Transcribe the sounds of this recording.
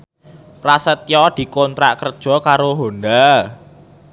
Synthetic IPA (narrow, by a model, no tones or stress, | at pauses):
pɾasət̪jɔd̪̥i̤kɔnt̪ɾa̰ʔkərd̥ʒ̥ɔ̤kaɾoɦond̪a